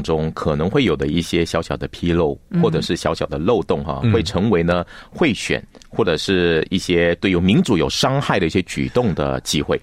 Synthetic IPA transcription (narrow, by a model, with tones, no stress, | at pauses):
ŋʈ͡ʂʊ˥ŋkʰɤ˨˩nɤ˧˥ŋxwe˥˩ɪjo˨˩ʊd̪ə˦i˥˩ɕjɛ˥ɕjɑ˧˥ʊɕjɑ˨˩ʊd̪ə˦pʰi˥lo˥˩ʊxwɔ˥˩ʈ͡ʂɤ˨˩ʂɻ̩˥˩ɕjɑ˧˥ʊɕjɑ˨˩ʊd̪ə˦lo˥˧ʊt̪ʊ˥˩ŋxa̰˥˧xwe˥˩ɪʈ͡ʂʰɤ˧˥ŋwe˧˥ɪnə˧xwe˥˩ɪɕɥɛ̰˨˩˦nxwɔ˥˩ʈ͡ʂɤ˨˩ʂɻ̩˥˧i˥˩ɕjɛ˥t̪we˥˧ɪy˥˩mi˧˥nʈ͡ʂu˧˥jo˨˩ʊʂɑ˥ŋxa˥˩ɪɾə˩i˥˩ɕjɛ˥t͡ɕy̰˨˩t̪ʊ˥˩ŋd̪ə̰˩t͡ɕi˥xwe˥˩ɪ